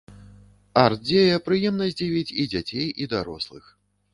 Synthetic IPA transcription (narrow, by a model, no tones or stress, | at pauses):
art̪̚d͡zʲejɐpɾɨjɛmnɐzʲd͡zʲivʲit͡sʲid͡zʲat͡sʲejʔid̪aɾɔ̰slˠɨ̰x